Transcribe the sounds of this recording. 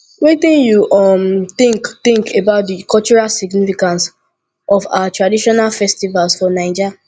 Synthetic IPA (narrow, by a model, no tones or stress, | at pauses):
wetĩnjuʔɔmtɪ̃ŋktɪ̃ŋkebaʊt̚dikɔlt͡ʃuɹalsiɡnifikãns | ʔɔfa̰atɹadiʃɔnalfɛstivalsfɔnãɪd͡ʒi